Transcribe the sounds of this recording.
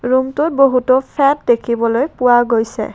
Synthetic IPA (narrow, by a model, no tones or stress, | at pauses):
ɹumtʊt̚boɦutɔpʰɛt̚dekʰibɔlojpʊwaɡojsɛ̰